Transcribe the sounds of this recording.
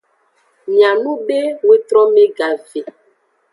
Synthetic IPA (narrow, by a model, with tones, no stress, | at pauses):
mjã˨nũ˦be˦we˦tɾɔ˦me˦ɡa˨ve˨